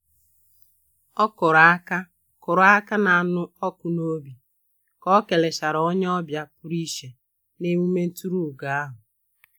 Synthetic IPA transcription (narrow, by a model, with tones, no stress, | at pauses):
ɔ˦kʊ˨ɾa˦ka˦ | kʊ˨ɾa˦ka˦na˨a˨nʊ˦ɔ˦kʊ˨no˦bi˨ | kɔ˦ke˨le˨ʃa˨ɾo˦ɲe˦ɔ˦bja˦pʊ˦ɾi˦ʃe˨ | ne˦mu˦me˦n̩˦tu˦ɾu˦˨ɡa˨a˦ɦʊ˨